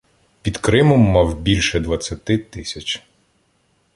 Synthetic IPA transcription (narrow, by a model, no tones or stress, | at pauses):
pʲid̪kɾɪmɔmːɑwbʲilʲʃɛd̪ʋɐt͡sʲːɐt̪ɪt̪ɪsʲɐt͡ʃ